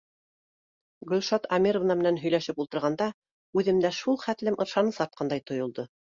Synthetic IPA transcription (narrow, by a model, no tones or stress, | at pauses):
ɡɵlʲʃɑt̪ɑmʲiɾovnɑmɘ̆nænɦɵ̆jlæʃɘpulˠt̪ɤ̆ɾʁɑnd̪ɑ | ʉðɘ̆md̪æʃulˠχæt̪lɘmʔɤ̆ɾʃɑnɤsɑɾt̪̚qʰɑnd̪ɑjt̪ŏjŏlˠd̪ɤ